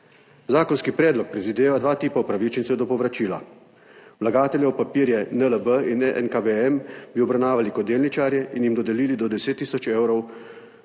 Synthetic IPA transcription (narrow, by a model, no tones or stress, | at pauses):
zaːkɔnskipɾɛːd̪lɔk̚pɾɛd̪ʋid̪eːʋad̪ʋaːt̪iːpaupɾaʋit͡ʃɛnt̪sɛwd̪ɔpɔʋɾat͡ʃiːla̰ | wlaɡaːt̪ɛlʲjɛpapiːɾjɛnələbəinɛ̰nkabeɛmbiɔbɾawnaːʋalikɔd̪ːeːlnit͡ʃaːɾjɛʔinjimd̪ɔd̪ɛliːlid̪ɔd̪ɛseːt̪ːiːsɔt͡ʃeːwɾɔw